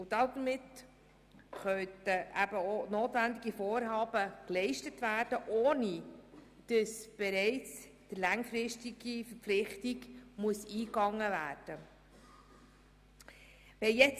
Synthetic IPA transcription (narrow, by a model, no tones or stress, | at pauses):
ʊd̥̪ɑd̪mɪt | χœtəʔæb̥əonoːt̪vænd̪iɡifoːɾɦɑːb̥əklɛɪʃtətʋæːrd̥əʔoːnid̥əsb̥ɛɾɛɪt͡s | d̥əlæŋfɾɪʃtiɡifəɾp̪flɪχtiɡmuəsiːkɑŋːəvæːrd̥ə | ʋɛjɛt͡s